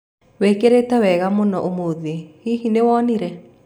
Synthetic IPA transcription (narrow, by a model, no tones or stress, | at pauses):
wekeɾetɛwɛɣamonɔʔomoðehiɦinewɔniɾɛ